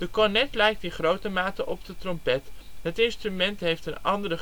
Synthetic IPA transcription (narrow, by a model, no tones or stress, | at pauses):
d̥əkɔɹnɛtlɛjk̚tinχrowtəmaːtəʔɔpdətrɔmpɛtɦətɪnstrymɛntɦejftənɑndərə